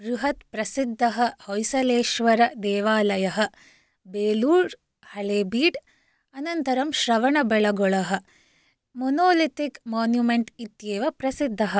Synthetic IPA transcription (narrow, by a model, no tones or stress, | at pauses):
ɡɾuɦɐt̪pɾɐsid̪ʱːɐɦɐhojsɐleːʃʋɐɾɐd̪ɛːʋaːlɐjɐɦɐ̆ | beːluːɾ | hɐɭeːbiːɖ | ɐnɐnt̪ɐɾɐmʃɾɐʋɐɳɐbɛɭɐɡɔɭɐɦɐ̆ | monoːlit̪ikmaːnjumeɳʈit̪jeːʋɐpɾɐsid̪ʱːɐɦɐ